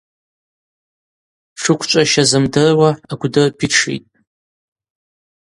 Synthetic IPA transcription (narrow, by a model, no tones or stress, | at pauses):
ʂɨkʷʰt͡ʃʷʼaʃazɨmdɨrwaaɡʷdɨrpʲʰɪʈ͡ʂʰḭtʼ